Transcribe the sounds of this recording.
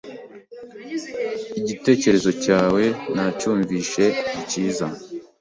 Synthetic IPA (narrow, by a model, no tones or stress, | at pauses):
iɟite̞ːce̞ɾe̞zo̞caːwe̞nacuːɱviːʃe̞iciːza